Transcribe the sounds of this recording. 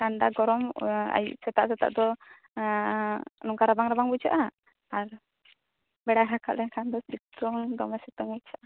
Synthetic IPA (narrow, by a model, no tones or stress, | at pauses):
kandaɡɔɾɔma̰jiʔsɛt̪aʔsɛt̪a̰ʔd̪ɔ | nuŋkaɾabaŋɾabaŋbud͡ʒaʔa | aɾ | bɛɽaɦaka̰lɛŋkʰand̪ɔsit̪ɔŋd̪ɔmasit̪uŋbud͡ʒaʔa